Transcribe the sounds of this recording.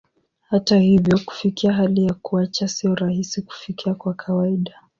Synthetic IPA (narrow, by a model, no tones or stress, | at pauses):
hatahivjɔku̥fikiaɦalijakuat͡ʃasiɔɾahisiku̥fikiakwakʰawaiɗa